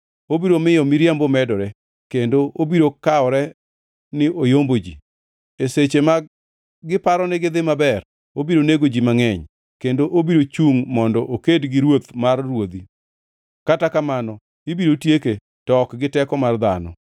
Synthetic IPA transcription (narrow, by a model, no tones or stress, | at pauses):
obiɾomɪjɔmiɾjambomɛdɔɾɛ | kendoʔobiɾokaɔɾɛ | nɪojombod͡ʒḭ | eset͡ʃema | ɡɪpaɾɔnɪɡɪd̪ɪmabɛr | obiɾoneɡod͡ʒimaŋɛɲ | kendoʔobiɾot͡ʃuŋmɔndɔʔokedɡɪɾwot̪marːwod̪i | katakamanɔ | ibiɾotjeke | tɔkɡɪtɛkɔmard̪a̰nɔ̰